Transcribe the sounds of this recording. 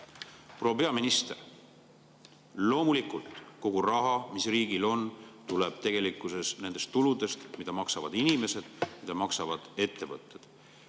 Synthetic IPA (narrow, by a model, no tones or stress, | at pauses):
pro̞ːpe̞ɑminist̪ḛr | lo̞ːmulikult̪ko̞ɡ̥urɑɦɑmisriːɡilo̞nt̪uleb̥̚t̪e̞ɡ̥e̞likːˑuse̞sne̞nd̪̥e̞st̪ːulud̪e̞st̪mid̪̥ɑmɑksɑvɑ̰d̪inime̞se̞d̪̥mid̪̥ɑmɑksɑvɑd̪̥e̞t̪ˑːe̞vɤ̰t̪ːˑe̞d̪̥